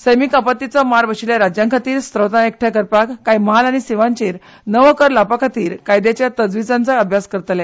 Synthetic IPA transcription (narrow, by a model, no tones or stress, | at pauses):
səjmikapət̪ːit͡sɔmaɾʋəɕiljaɾad͡ʑjãŋkʰat̪iːɾst̪ɾəwt̪aek̚ʈʰjakəɾpakːajməɦalaɽ̃isiʋãɲt͡ɕeːɾ | nəʋəkəɾlapakʰat̪iːɾkajd̪jat͡ɕjat̪əd͡zʋid͡zãnt͡saəbʱjaskəɾt̪lɛ